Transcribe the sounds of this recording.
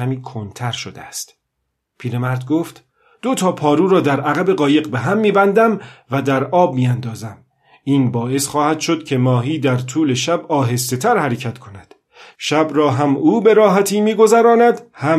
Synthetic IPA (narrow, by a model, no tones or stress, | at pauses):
æmiːkʰont̪ʰæɾʃod̪eæst̪ | pʰiːɾe̞mæɾd̪ɡoːft̪ | d̪̥ot̪ʰɒːpʰɒːɾuːɾɒːd̪æɾʔæɣæbe̞ɢɒːje̞ɢbe̞ɦæmːiːbænd̪æmvæd̪æɾɒːb̚miːænd̪ɒːzæm | iːnbɒːʔe̞sxɒːhæd̪̥ʃo̞d̪̥cʰe̞mɒːɦiːd̪æɾt̪ʰuːle̞ʃæbɒːɦe̞st̪et̪ʰæɾhæɾecʰæt̪kʰo̞næd̪̥ | ʃæbɾɒːɦæmuːbe̞ɾɒːɦæt̪ʰiːmiːɡo̞zæɾɒːnæd̪hæ